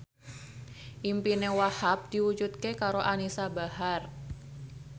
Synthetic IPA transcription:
ʔimpinewahap̚d̥iwud͡ʒut̪̚kekaɾoʔanisabahar

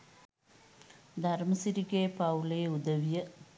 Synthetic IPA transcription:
d̪ʱɐɾmɐsɪɾiɣeːpɐʋleːʊðɐʋijɐ

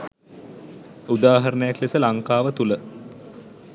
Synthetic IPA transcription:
ud̪aːɦɐɾənəjaklesəlaŋkaːʋət̪ulə

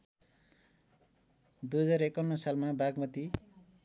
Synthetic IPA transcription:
d̪uɦʌd͡zarekʌnːʌsalmabaɡmʌt̪i

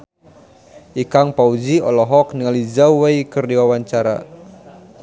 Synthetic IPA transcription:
ʔikaŋpaud͡ʒiɔlɔɦɔk̚niŋalid͡ʒauwajkɨrdiwawaɲt͡ʃaɾa̰

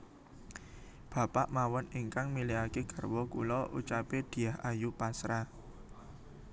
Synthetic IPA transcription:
b̥a̤paʔmawɔniŋkaŋmiliakekərwɔkṵlɔʔut͡ʃaped̪̥i̤ahajupasɾa

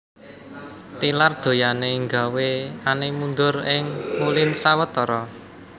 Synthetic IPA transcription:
t̪ilard̪̥o̤janeŋɡa̤weanemund̪ʊrɪŋmulɪnsawət̪ɔɾɔ

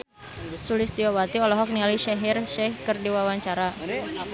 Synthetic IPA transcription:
sulɪst̪iɔwat̪iɔlɔɦɔk̚nialiʃɛɦirʃɛhkərdiwawaɲt͡ʃaɾa

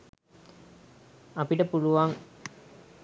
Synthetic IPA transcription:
ɐpiʈəpuluʋaːŋ

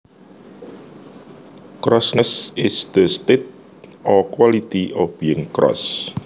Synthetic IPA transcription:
kɾɔsnəsɪsd̪əst̪et̪̚ | ʔɔkwalit̪iʔɔfb̥iɪ̃ŋkɾɔ̰s

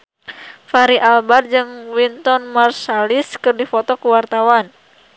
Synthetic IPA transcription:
faɾiʔalbard͡ʒɨŋwint̪ɔnmarsaliskɨrdifɔt̪ɔkuwart̪awan

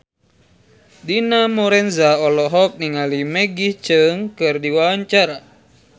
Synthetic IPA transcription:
dinamɔɾɛnzaɔlɔɦɔk̚niŋalimeɡiht͡ʃɨŋkɨrdiwawaɲt͡ʃaɾa

